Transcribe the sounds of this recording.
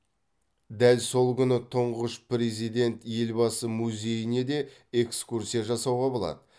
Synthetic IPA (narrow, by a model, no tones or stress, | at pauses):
d̪ælso̞lˠkʲʏnət̪ʰʊɴʁəʃpɾe̞zijd̪e̞nt̪je̞lbɑsəmuzʲe̞jɪne̞d̪e̞ | e̞kskursijaʒɑsɑwʁɑbo̞lˠɑ̰d̪ə